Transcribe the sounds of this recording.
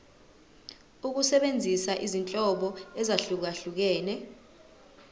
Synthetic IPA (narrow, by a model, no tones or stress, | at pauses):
uk̬usɛɓend͡zʱisaʔizint͡ɬʼɔɓɔɛzaɬuk̬aɬuk̬ɛːnɛ